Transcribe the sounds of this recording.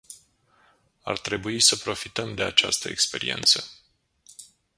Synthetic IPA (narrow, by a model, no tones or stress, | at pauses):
a̰rt̪ɾe̞buisəpɾo̞fit̪əmd̪e̞at͡ʃa̰st̪əekspe̞ɾḭe̞̰nt̪sə